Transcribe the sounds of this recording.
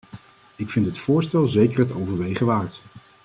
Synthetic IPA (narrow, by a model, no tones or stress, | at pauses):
ɪkfɪntɦətfʊːɹstɛlˠzejkəɹɦətowvəɹʋejχəʋaːɹt